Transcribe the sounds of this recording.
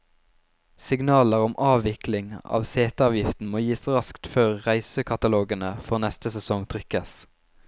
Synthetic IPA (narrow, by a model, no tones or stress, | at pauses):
sɪɡnɑːləʁɔmʔɑːʋɪklɪŋɑ̰ːʋseːt̪ɑːʋjɪft̪n̩moːjiːsʁɑskt̪føːʁʁæɪsəkʰɑt̪ɑloːɡənəfɔʁnɛst̪əsɛsɔŋt̪ʰʁʏkəs